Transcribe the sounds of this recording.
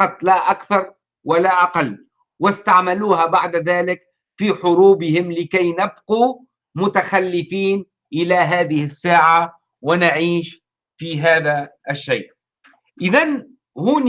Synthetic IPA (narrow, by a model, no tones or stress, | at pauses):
ɑt̪ˤlaʔakθɑɾˤ | walaʔaqɑlː | wɪst̪aʕmaluːɦabaʕd̪ðaːlɪk | fiːħʊɾuːbɪhɪmlɪkajnabquː | mʊt̪axalːɪfiːn | ʔɪlaɦaːðɪhɪsːaːʕa | wɪnaʕiːʃ | fiːɦaːðaʔaʃːeːʔ | ʔɪðan | huːn